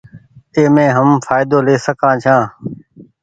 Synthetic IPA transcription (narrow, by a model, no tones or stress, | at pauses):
eːmẽːɦəmfʰaːɪd̪oːleːsəkʰãːt͡ʃʰãː